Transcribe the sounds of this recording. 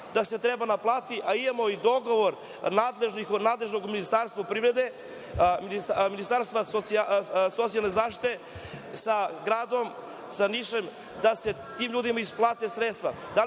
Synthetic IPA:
d̪ase̞t̪ɾebanaplˠaːt̪iʔaimamoid̪o̞ɡo̞ʋoɾ | naːd̪le̞ʒnixnaːd̪le̞ʒno̞ɡminist̪aːɾst̪vapɾiʋɾe̞d̪e̞ | minisminist̪aːɾst̪ʋasot̪siasot̪sialne̞zaːʃt̪i̥t̪e̞ | saɡɾaːd̪o̞m | saniʃem | d̪ase̞ | t̪iːmʎuːd̪imaisplˠaːt̪esɾet̪st̪ʋa̰ | d̪a

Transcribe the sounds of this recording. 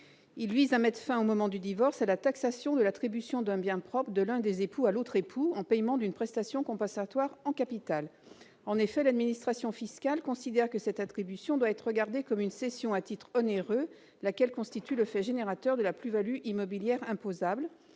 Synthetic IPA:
ilvizamɛt̪χfɛ̃omɔmɑ̃d̪yd̪ivɔʁsalat̪aksasjɔ̃d̪əlat̪χibysjɔ̃d̪ɛ̃bjɛ̃pχɔpχd̪əlɛ̃d̪ezepualot̪χepʰuɑ̃pɛjmɑ̃d̪ynpχɛst̪asjɔ̃kɔ̃pɑ̃sat̪waʁɑ̃kapit̪al | ɑ̃nefɛlad̪minist̪χasjɔ̃fiskalkɔ̃sid̪ɛʁkəsɛt̪at̪χibysjɔ̃d̪waɛt̪χʁəɡaʁd̪ekɔmynsesjɔ̃at̪it̪χɔneʁø | lakʲɛlkɔ̃st̪it̪yləfɛʒeneʁat̪œʁd̪əlaplyvalyʔimɔbiljɛʁɛ̃pozabl

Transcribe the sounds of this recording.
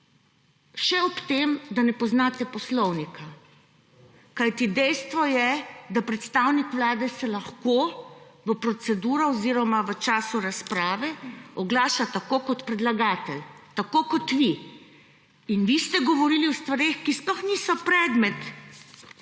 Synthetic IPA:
ʃɛɔpt̪eːmd̪anɛpɔznaːt̪ɛpɔslɔwnika | kajt̪id̪ɛjst̪ʋɔjɛd̪apɾɛt̪st̪aːwnikʋlaːd̪ɛsɛlaxkoʋəpɾɔsɛd̪uːɾɔɔziːɾɔmaʋət͡ʃaːsuɾaspɾaːʋɛɔɡlaːʃat̪akoːkɔt̪pɾɛd̪laɡaːt̪ɛlt̪akoːkɔt̪ʋi | inʋist̪ɛɡɔʋɔɾiːliɔst̪ʋaɾeːxkisplɔxnisɔpɾɛːd̪mɛt̪

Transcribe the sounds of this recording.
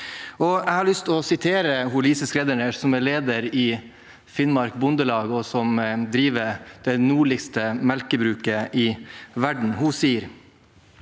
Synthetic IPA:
ɔæɪhɑɭʏst̪ɔsɪt̪ʰeːɾəɦʊliːsəskɾɛd̪əɳəsɔmɛɭeːd̪əɾɪ | fɪnmɑɾkbʊnd̪əlɑːɡɔsɔmd̪ɾiːʋəɾd̪̥ɛnuːɭɪɡst̪əmɛlkəbɾʉːkəʔɪʋæɖɳ̩hʊsiːəɾ

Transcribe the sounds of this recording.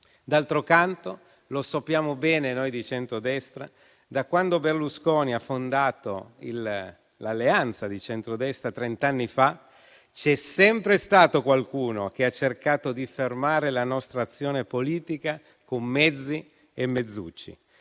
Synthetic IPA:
d̪alt̪ɾokant̪o | losapːjaːmobɛːnenojd̪it͡ʃɛnt̪ɾod̪ɛst̪ɾa̰ | d̪akwand̪oberluskɔːniafːond̪aːt̪o̰ḭl | lalːeant̪sad̪it͡ʃɛnt̪ɾod̪ɛst̪ɾat̪ɾent̪anːifa | t͡ʃɛsɛmpɾest̪aːt̪okwalkuːnok̟eat͡ʃːerkaːt̪od̪ifermaːɾelanɔst̪ɾaːt̪sːjoːnepoliːt̪ika | komːɛd̪zːi | emːed̪zːṵt͡ʃːḭ

